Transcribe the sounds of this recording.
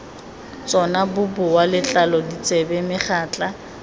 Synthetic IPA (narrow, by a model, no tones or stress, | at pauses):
t͡sʼɔnabʊbʊwalɪt͡ɬʼalɔdit͡sʼebɛmɪχaːt͡ɬʼa